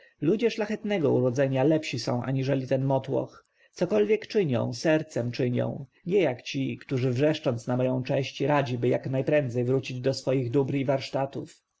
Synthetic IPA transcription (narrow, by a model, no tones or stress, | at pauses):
lud͡ʑɛʂlaxɛt̪nɛɡɔuɾɔd̪zɛɲalɛpɕisɔ̰̃w̃ʔa̰ɲiʐɛlʲit̪ɛnmɔt̪wɔ̰x | t̪sɔkɔlvʲjɛkt͡ʂɘɲɔ̰̃w̃sɛɾt̪sɛmt͡ʂɘɲɔ̰̃w̃ | ɲɛjakt͡ɕikt̪uʐɘvʐɛʂt͡ʂɔnt̪snamɔjɔ̃w̃t͡ʂɛ̃ɕt͡ɕɾad͡ʑibɘjaknajpɾɛnd̪zɛjvɾut͡ɕid͡ʑd̪ɔsfɔjiɣd̪ubɾivaɾʂt̪at̪uf